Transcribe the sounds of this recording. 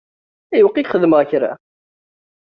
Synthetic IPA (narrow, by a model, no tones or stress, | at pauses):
æjəwqːikχəðməʁçɾæ̰